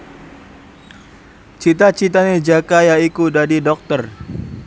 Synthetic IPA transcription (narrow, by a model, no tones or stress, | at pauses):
t͡ʃit̪at͡ʃit̪aned͡ʒakajaikudadidɔk̚t̪ər